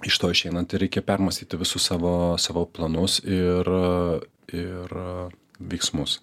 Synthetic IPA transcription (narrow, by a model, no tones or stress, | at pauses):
ɪʃt̪oːɪʃɛɪnɐnt̪ɪɾʲɛɪkʲepʲɛrmɐsʲt̪ʲiːt̪ʲɪʋʲɪsʊssɑːʋoːsɑːʋoːplˠɐnʊsɪɾ | ɪɾ | ʋʲɛɪksmʊs